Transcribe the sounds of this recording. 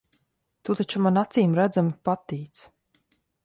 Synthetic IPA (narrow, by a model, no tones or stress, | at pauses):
t̪uːt̪at͡ʃumanat̪siːmɾæd̪zamipat̪ːiːt̪s